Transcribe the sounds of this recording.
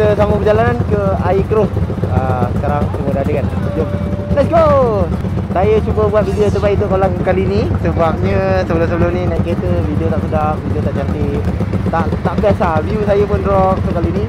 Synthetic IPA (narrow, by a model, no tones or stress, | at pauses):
t̪əsaməpəd͡ʒalanankəaikɾʊfəsə̥kaɾaŋsəmudaadəkan | d͡ʒo | las̬ɡo | sajət͡ʃubəbuat̪̚vidiət̪əbait̪ukolaŋkalinisəbap̚ɲəsəbəlʊms̬əbəlʊmninaket̪əvidiot̪aʔ̚sədamvidiot̪aʔt͡ʃakit̪t̪aʔt̪aʔpiasaviusajəpʊnɾɔk̚t̪okalini